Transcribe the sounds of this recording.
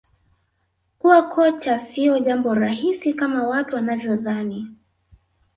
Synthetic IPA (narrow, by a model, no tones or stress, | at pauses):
kuwakʰɔt͡ʃasiɔʄambɔɾaɦisikamawatuwanavjɔðani